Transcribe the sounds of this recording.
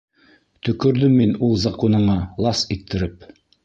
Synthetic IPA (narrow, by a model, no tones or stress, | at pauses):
t̪ɵ̆kɵ̆ɾðɵmːinulˠzɑqunɤ̆ɴɑlˠɑsit̪ʰːɘ̆ɾɘp̚